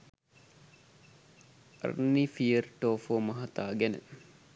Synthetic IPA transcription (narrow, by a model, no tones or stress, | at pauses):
rnːiːfiərʈoːfoːmɐɦɐt̪aːɡænə̰